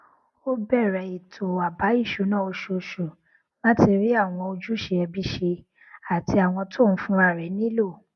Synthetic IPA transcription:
o˦bɛ˦˨ɾɛ˨˦i˨tʰo˨a˨ba˨˦i˦˨ʃu˨˦nã˦˨o˧ʃo˨ʃo˨ | mã˦ti˧ɾi˦a˦˨w̃ɔ̃˧o˧d͡ʒu˦ʃe˧ɛ˧bi˦ʃe˧ | a˨ti˧a˨w̃ɔ̃˧tʰo˦˨n̩˦fũ˦a˨ɾɛ˨˦nĩ˦lo˦˨

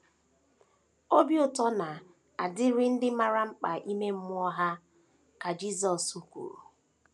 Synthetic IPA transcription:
o˦bjʊ˨tɔ˦na˨ | a˨dɪ˦ɾɪ˦n̩˦dɪ˦ma˨ɾa˦ŋ͡m̩˦k͡pa˨ʔi˦me˦m̩˦mʊ˦ɔ˦ɦa˦ | ka˨d͡ʒi˦s̬ɔ˨su˦kʷṵ˨ɾṵ˨

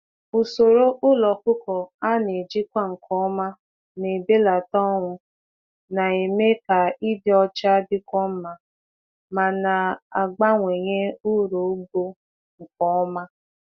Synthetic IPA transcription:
u˨so˨ɾo˦ʔʊ˦lɔ˨kʊ˦kɔ˨a˦ne˨d͡ʒi˦kʷa˦ŋ̩˨kʰɔ˦ma˦ | ne˨be˦la˨tɔ˦ŋʷʊ˦ | na˨e˨me˦ka˨i˦bjɔ˦t͡ʃa˦dɪ˦kʷɔ˦m̩˦ma˨ | ma˨na˨a˨ɡ͡ba˦ŋʷe˨ɲe˦u˦ɾo˨˦ɡ͡bo˦ | ŋ̩˨kɔ˦ɔ˦ma˦

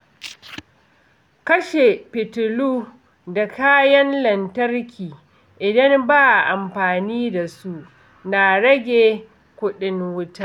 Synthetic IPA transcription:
kɐ˦ʃe˨pɪ˨tʊ˨luː˦ | da˨kaː˦jɐ˦nlɐ˨ntɐ˦rkʲʰiː˨ | ʔɪ˨dɐ˦mbaː˦ʔa˨ʔa˨mɸaː˨niː˦da˨su˦ʔ | na˨ɽɐ˦ɡʲeː˨ | kʷʊ˦ɗɪ˦ŋwʊ˦ta˦

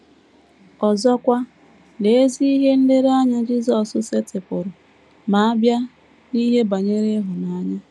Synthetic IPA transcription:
ɔ˨zɔ˦kʷa˦ | ne˨e˦zi˦i˦ɦe˦n̩˦dɪ˦ɾa˦ɲa˦d͡ʒi˦zɔ˨sʊ˦se˦tɪ˨pʊ˨ɾʊ˨ | ma˨a˦bja˦ | ni˦ɦe˦ba˨ɲe˦ɾe˦ɦʊ˨na˦ɲa˦

